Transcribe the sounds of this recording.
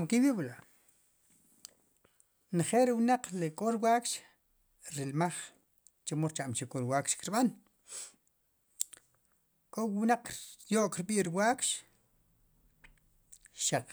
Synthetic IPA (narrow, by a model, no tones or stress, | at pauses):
mkiwiɓla | nχelɾiwnaq͡χlekʼoɾwaːkʃ | ɾilmaχ | t͡ʃamoɾt͡ʃaʔmt͡ʃikʼːoɾwaːkʃkiɾɓan | kʼowwnaq͡χjoʔkɾɓiːʔɾiwaːkʃ | ʃaq͡χ